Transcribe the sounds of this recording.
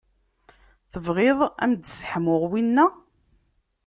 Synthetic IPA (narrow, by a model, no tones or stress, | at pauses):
θəvʁeðˤæ̰md̪sħmʊʁwinːæ